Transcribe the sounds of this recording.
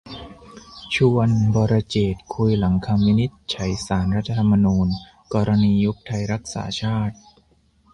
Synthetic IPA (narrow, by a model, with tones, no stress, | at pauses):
t͡ɕʰu˧ənbɔː˧ɾa˧t͡ɕeː˨˩t̪̚kʰu˧jla˩˦ŋkʰa˧mːi˦˥ni˦˥t̪̚t͡ɕʰa˩˦jsaː˩˦nɾa˦˥t̪ʰːa˧t̪ʰa˧mːa˧nuː˧n | kɔː˧ɾa˧niː˧ju˦˥k̚t̪ʰa˧jɾa˦˥k̚sa̰ː˩˦t͡ɕʰaː˥˩t̪̚